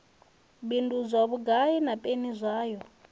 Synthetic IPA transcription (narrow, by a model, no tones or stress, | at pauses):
bindud͡zʷaβuɡainapʼenizʷaːjɔ